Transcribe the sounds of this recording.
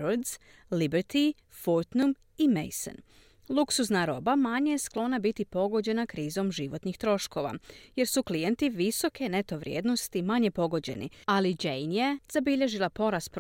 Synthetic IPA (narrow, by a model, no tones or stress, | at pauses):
ɾoɾd̪z̥ | libeɾt̪i | foɾt̪num | imḛjso̰n | lˠuksuznaɾo̞bamaɲejesklˠo̞nabit̪ipo̞ɡo̞d͡ʑe̞nakɾiːzo̞mʒiʋo̞t̪nixt̪ɾo̞ʃko̞ʋa̰je̞ɾsuklije̞nt̪iʋiso̞ke̞ne̞t̪o̞ʋɾʲjeːd̪no̞st̪imaɲe̞po̞ɡo̞d͡ʑe̞̰nḭalid͡ʒejnjez̥abiʎe̞ʒilˠapo̞ɾasp